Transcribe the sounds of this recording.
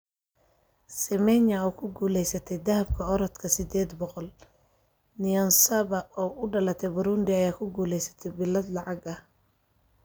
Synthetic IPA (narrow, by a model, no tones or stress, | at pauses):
sɪmɛnɐuːkʰʊɡuːlɛjsɐt̪ʰɛjd̪ɐɦɐb̚kʰɐɔɾɔt̪kʰɐsɪd̪ɛːd̪bɔqɔl | nɪjɔnsɐβɐʔɔːʔʊɖɐlɐt̪ʰɛbʊɾund̪ɪɐjaːkʰʊɡuːlɛjsɐ̥t̪ʰɛjbɪlɐd̪lɑʕɑɡɐh